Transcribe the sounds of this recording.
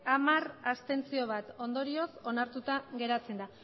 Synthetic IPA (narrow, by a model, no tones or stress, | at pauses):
amarast̪e̞nt͡sio̞β̞at̪o̞nd̪o̞ɾio̞so̞naɾt̪ut̪aɣe̞ɾat͡se̞nd̪a